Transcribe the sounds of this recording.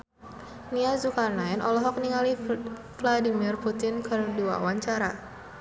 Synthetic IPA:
niazukarnaɛnʔɔlɔɦɔk̚niŋali | vladimirput̪ɪnkɨrdua̰waɲt͡ʃaɾa

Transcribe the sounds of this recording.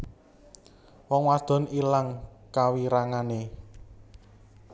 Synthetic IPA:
wɔŋwad̪̥ɔ̤nilaŋkawiɾaŋane

